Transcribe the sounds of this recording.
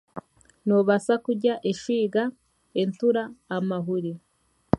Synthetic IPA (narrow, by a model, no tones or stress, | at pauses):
noβasakuɟaʔeʃiːɡa | entuɾaːmaɦuɾi